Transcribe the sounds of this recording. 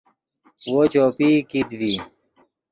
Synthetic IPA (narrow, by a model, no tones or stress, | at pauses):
wot͡ɕoːpikid̪vi